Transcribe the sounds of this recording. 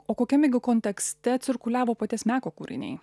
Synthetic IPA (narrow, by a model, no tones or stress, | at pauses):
oːkoːkʲɛmʲɛɡʲɪkoːnʲt̪ʲɛksʲt̪ʲɛt̪sʲɪɾkʊlʲæːʋoːpɐt̪ʲiɛsmʲæːkoːkuːɾʲɪ̰nʲɛ̰ɪ